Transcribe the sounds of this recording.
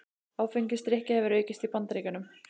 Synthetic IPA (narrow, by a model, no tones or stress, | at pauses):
aːwfeɲcɪst̪ɾɛhcɪhɛvʏɾœːɥcɪst̪ipant̪ɾeːkʏnʏm